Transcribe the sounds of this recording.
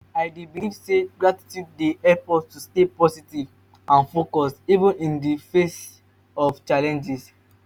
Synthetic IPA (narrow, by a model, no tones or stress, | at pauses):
aɪdibiivseɡɹati̥tjuddeɛpɔttustepɔsitiv | ãnfokɔsivə̃nĩndifes | ɔft͡ʃalɛ̃nd͡ʒis